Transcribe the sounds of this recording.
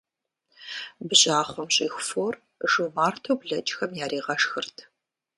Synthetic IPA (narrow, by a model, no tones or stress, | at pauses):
bʑaːχʷɔmɕʼixʷfoːr | ʒɨmaːrtʰɐwbɮɐt͡ʃʼxɐmjaːɾiːʁɐʂxɨrtʰ